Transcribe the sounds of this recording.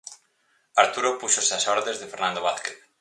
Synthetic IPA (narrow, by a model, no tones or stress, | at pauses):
aɾt̪uɾopuʃoseasɔɾðezðefeɾnãnd̪oβaθkeθ